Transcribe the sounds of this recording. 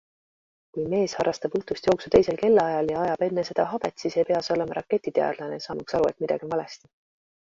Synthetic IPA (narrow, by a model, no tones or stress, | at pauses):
kujme̞ːshɑrːɑst̪ɑbɤht̪ust̪jo̞ːksut̪e̞jse̞lke̞lːɑjɑljɑɑjɑb̥e̞nːese̞d̪̥ɑɦɑb̥e̞t̪ːˑsiːsejpe̞ɑso̞le̞mɑɾʔɑkːe̞t̪ːˑit̪eɑ̰d̪lɑnesɑːmɑksɑɾue̞t̪mid̪̥ɑ̰ɡ̥invɑle̞st̪i̥